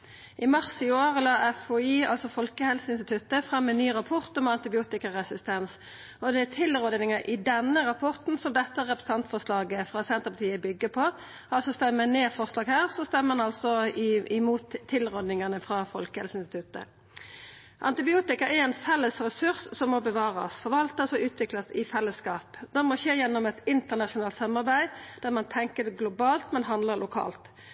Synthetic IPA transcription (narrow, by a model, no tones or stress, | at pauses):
ʔɪmɑʁsɪoːʁəlɑːʔɛfɔiːɑ̰lsɔfɔlkəhɛlsəɪnst̪ɪt̪ʰʉt̪əfʁɑmːɛnyːʁɑpʰɔʁt̪ɔmɑnt̪ɪbɪuːt̪ɪkəʁɛsɪst̪ɛns | ɔd̪ɛæt̪ʰɪlʁɔd̪nɪŋəʔɪd̪ɛnːəɾɑpʰɔʁt̪n̩sɔmd̪ɛt̪ːəɾɛpɾəsɑnt̪fɔʁʂlɑːɡəfʁɑːsɛnt̪əʁpɑt̪ʰiːəbʏɡːəpʰɔ | ɑlsɔst̪ɛməməneːfɔʁslɑːɡhæːʁsɔst̪ɛmːənɑlsɔɪɪmuːt̪ʰːɪlʁɔd̪nɪŋɑnəfʁɑfɔlkəɛlsɪnst̪ɪ̥t̪ʉt̪ə̰ | ʔɑ̰nt̪ɪbɪuːt̪ɪkɑʔɛɛnfɛlːəsɾɛsʉɾssɔmːɔbəʋɑːɾɑ̰sfɔʁʋɑlt̪ɑsɔʉːt̪ʰʋɪklɑsɪfɛlːəskɑːpd̪ɛʁmɔɕeːjɛnːɔmɛt̪ɪnt̪əʁnɑʂʊnɑːlt̪sɑmːɑʁbæɪd̪̥æʁmɑnt̪ʰɛŋkəd̪ɛɡlʊbɑːlt̪mɛnɦɑnd̪ləɾlʔʊkʰɑ̰ːlt̪